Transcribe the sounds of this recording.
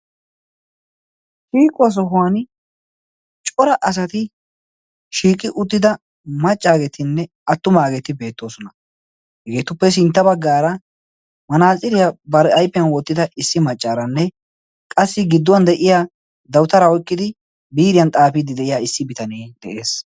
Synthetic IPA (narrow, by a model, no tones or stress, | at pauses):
ʃiːkʼːɔs̬ɔɦʊwan | t͡ʃʼɔɾɐʔɐs̬ɐt̪ɪ | ʃiːkʼːɪʔʊt̪ːɪd̪ɐ | mɐt͡ʃʼːaːɡeːt̪ɪnːɛ | ɐt̪ːʊmaːɡet̪ɪbe̞ːt̪ːo̞ːsɔnɐ | hɪɡe̞ːt̪ʊpːɛs̬ɪnt̪ːɐbɐɡːaːɾɐ | mɐnaːt͡sʼːɪdɪjabɐɾɛʔɐjpːɪjɐnwɔt̪ːɪd̪ɐʔɪsːɪmɐt͡ʃʼːaːɾɐnːɛ | kʼɐsːɪɡɪd̪ːɔwɐnd̪ɛʔɪjaː | d̪ɐwt̪ɐɾaɔjkːɪd̪ɪ | biːɾɪjɐnt̪ʼaːfid̪ɪd̪ɛʔɪjaːɪsːɪbɪt̪ɐneːd̪ɛʔe̞ːs